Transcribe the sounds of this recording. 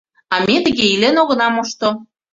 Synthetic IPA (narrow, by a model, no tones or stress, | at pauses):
ɑmʲet̪ə̆ɣeilenoɣɤ̆nɑmoʃt̪o